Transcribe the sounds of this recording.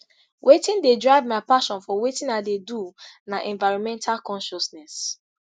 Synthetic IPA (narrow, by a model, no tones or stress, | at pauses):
wʔetĩndedɹaɪvmaɪpaʃɔ̃nfɔwetĩnaɪdedunaʔɛ̃nvaɪɹɔ̃nmɛ̃ntʰalkɔ̃nʃɔsnɛs